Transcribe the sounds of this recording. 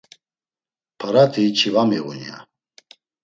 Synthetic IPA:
pʰaɾat̪ʰit͡ʃʰivamiɣṵnja̰

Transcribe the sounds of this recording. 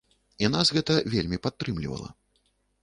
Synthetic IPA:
inasɣɛt̪ɐvʲelʲmʲipat̪ːɾɨmlʲivɐ̰lˠɐ̰

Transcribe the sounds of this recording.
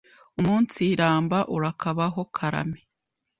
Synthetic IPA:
umuːnsiɾaːmbaʔuɾakʰaβaɦo̞kʰaɾa̰me

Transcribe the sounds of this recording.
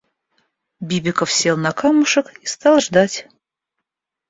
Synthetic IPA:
bʲibʲɪkəfsʲelˠnɐkamɨʂəkist̪alˠʐd̪atʲ

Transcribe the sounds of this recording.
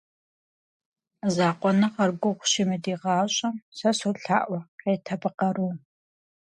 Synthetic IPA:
zaːqʷʼɔnɐχɐrɡʷʊʁʷʃɪmɐdiːʁɑːɕʼɐmsɐsuɬa̰ːʔʷɐqeːtʰɐbɨqɐɾuː

